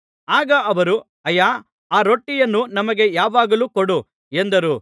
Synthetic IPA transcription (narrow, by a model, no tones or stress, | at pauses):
aːɡɐɐʋɐɾu | ɐjaː | aːɾoʈːijɐnːunɐmɐɡe̞jaːʋaːɡɐluːkoɽu | end̪ɐɾu